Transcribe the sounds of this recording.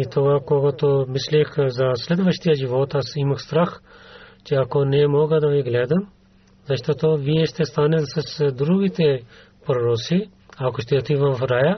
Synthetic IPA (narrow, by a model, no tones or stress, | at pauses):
it̪oɡakoɡat̪omislixzɐslʲɛd̪ʋəʃt̪ijaʒiʋoːt̪asiməxst̪ɾaxt͡ʃeakonɛmoːɡəd̪ɐʋiɡlʲɛːd̪əm | zɐʃt̪oːt̪oʋijɛʃt̪ɛst̪aːnəlsɐsd̪ɾuːɡit̪e | pɾoɾoːsi | akoʃt̪ɛot̪iːʋɐmfɾaːja